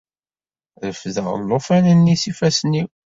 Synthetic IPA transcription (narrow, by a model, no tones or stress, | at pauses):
ðəfðəʁə̰lːofænənːisifæsniw